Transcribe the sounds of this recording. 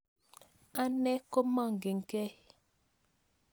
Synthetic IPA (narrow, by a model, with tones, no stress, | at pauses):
a˦nɛ˦ko˦ma˦˨ŋ̩˨ɡe˨ŋ̩˨kɛ˦